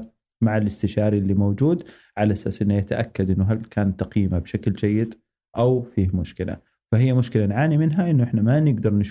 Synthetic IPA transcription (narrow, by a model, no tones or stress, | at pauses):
maʕalʔɪst̪ɪʃɑːɾiʔɪlːimowd͡ʒuːd̪ | ʕalaʔasaːsʔɪnːajat̪aʔakːad̪ʔɪnːʊɦalkʰaːnt̪ːɑqiːmabʃakld͡ʒajːɪd̪ | ʔawfiːhmʊʃkɪla̰ | faɦɪijːamʊʃkɪlanʕaːnimɪnɦaʔɪnːʊʔɪħnamanɪɡd̪ɑɾˤnɪʃ